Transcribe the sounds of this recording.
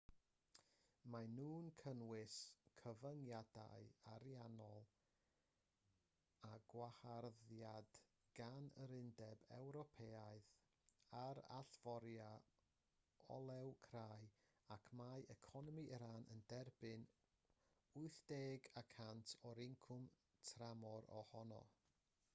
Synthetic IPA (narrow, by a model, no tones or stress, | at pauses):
manuːnkʰənwɪskʰəvəŋjada̰ɨaɾjanɔlˠ | aɡ̥waharðjad̥ | ɡ̥anəɾɪndɛbɛ̰wɾɔpʰeːaɨð | aɾa̰ɬv̥ɔɾja | ɔ̰lˠɛwkʰraɨ | akʰmajʔɛkʰɔnɔmiʔəɾanʔə̰ndɛrbɨn | ʊɨθd̥eːɡakʰantʰɔɾɪŋkʰʊm | tʰramɔɾɔ̰hɔnɔ̰